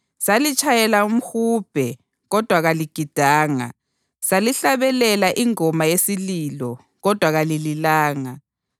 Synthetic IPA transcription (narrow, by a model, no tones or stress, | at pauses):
salit͡ʃʰʼajɛlaum̩xuːb̥ʱɛ | ɣɔd̥ʱwaɣaliɡ̥ʱid̥ʱaːŋa̰ | saliɬaβɛlɛlaʔiŋɔmajesililɔ | ɣɔd̥ʱwaɣalililaːŋa